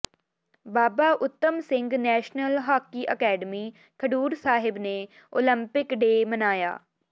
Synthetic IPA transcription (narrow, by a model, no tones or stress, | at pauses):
baːbaːʔʊt̪ːəmsɪ̃ŋɡnɛːʃnəlɦaːkːiːʔəkɛːɖəmiː | kʰəɖuːɾsaːɦɪbneː | o̰ːlə̃mpɪkɖeːmənaːja̰ː